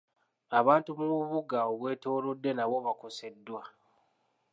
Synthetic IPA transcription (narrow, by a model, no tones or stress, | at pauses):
aβaːntumuuβuɡaoβwe̞ːto̞ːlodːe̞naβo̞βako̞se̞dːwa